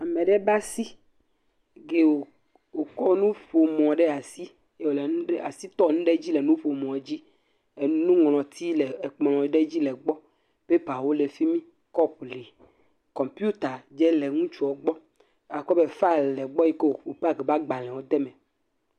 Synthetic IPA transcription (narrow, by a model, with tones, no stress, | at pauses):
a˨mẽ˨ɖe˦ba˦si˦ | ɡe˨wo˨ | wo˨kɔ˦nũ˦ɸo˨mɔ̃˨ɖe˦a˨si˦ | e˦o˨le˨ñ˦ɖe˦a˨si˦t̪ɔ˦˨nũ˦ɖe˦d͡ʑi˦le˨nũ˦ɸo˨mɔ̃˨d͡ʑi˦˨ | nũ˦ŋl̃ɔ̃˨t̪ʰi˦le˨k͡plɔ̃˨˦ɖe˦d͡ʑi˦lɛ˨ɡ͡bɔ˦ | b̥e˦pa˨wo˦le˨fi˦mĩ˦ | kɔ˦pli˨ | kɔ˨mpju˦t̪a˨d͡ʒɛ˦lɛ˨ŋũ˦t͡ʃu˨˦ɔ˨ɡ͡bɔ˦ | a˨kɔ˦be˦˨fa˦lɛ˨ɡ͡bɔ˦ji˦ke˦wo˨o˨pa˦ɡe˨ba˦ɡ͡ba˨lɛ̃˨wo˦d̪ɛ˦mɛ̃˨